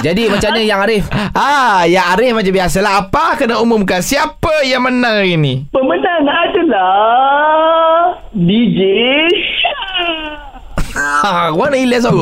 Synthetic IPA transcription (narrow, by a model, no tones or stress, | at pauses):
d͡ʒadimat͡ʃaɲəjaŋaɾɪfʔajaŋaɾɪfmat͡ʃambiasəlaɦapakənaumʊmkansiapəjaŋmənãŋinipəmətanadəla | did͡ʒe | akanailəs̬alo